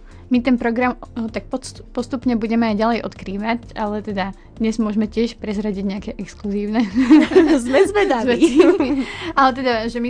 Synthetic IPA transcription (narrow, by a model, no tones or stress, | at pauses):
mit̪ɛnpɾɔɡɾamt̪ak̚pɔpɔst̪upɲɛbuɟɛmɛajɟalɛjʔɔ̰t̪kɾiːʋacalɛt̪ɛd̪a | d̪ɲɛzmʊɔʒmɛcɪɛʃpɾɛzɾaɟiɟɲɛakɛʔɛkskluziːʊnɛ | zmɛzʋɛd̪ai | alɛt̪ɛd̪aʒɛmi